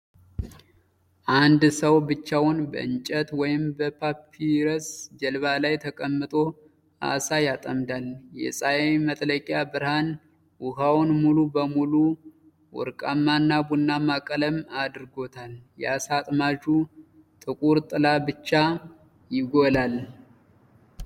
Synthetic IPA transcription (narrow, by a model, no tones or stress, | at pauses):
ʔand̪səwbɨt͡ʃːawʊnbə̰ʔɨnt͡ʃʼət̪wɔjɪmbəpʰapʰːiɾəsd͡ʒɛlβalajt̪ʰəkʼəmːɨt̪ʼo̞ | ʔa̰sajat̪ʼəmd̪aljɛ̰sʼajemət̪ʼləkʼjabɨɾhan | wʊhawnmulubəmulu | wɔ̰ɾkʼamːanːabunːamakʼələmad̪ɨɾɡo̞t̪ʰaljɛasat̪ʼmaʒu | t̪ʼɨkʼuɾt̪ʼɨlabɨt͡ʃːa | jɪɡolal